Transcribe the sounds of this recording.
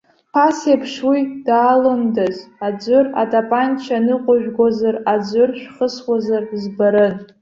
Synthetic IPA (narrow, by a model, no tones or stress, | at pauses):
pʰasepʰʂwidaːlɨndazad͡ʒʷʊra̰tʼapʼant͡ʃʰanɨqʷʼʊʒᶣɡʷozarad͡ʒʷʊrʃᶣχəswazarzbaɾɨn